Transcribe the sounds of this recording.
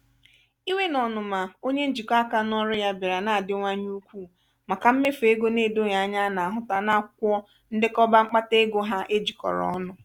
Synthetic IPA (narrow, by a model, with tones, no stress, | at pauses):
i˦we˦nɔ˨nʊ˨ma˨o˦ɲe˦n̩˦d͡ʒi˨ka˦ka˨nɔ˦ɾʊ˦ja˦bɪ˨ɾa˨na˨a˨dɪ˦ŋʷa˦ɲu˦kʷu˦˨ | ma˨ka˨m̩˦me˦fe˦ɡo˦ne˦˨do˦ja˨a˦ɲa˦na˨a˨ɦʊ˦ta˦na˦˨kʷɔ˦ | n̩˦dɪ˦kɔ˦ba˦ŋ͡m̩˦k͡pa˦te˦ɡo˦ɦa˦ʔe˦d͡ʒi˨kɔ̰˨ɾɔ̰˨ɔ˦nʊ˨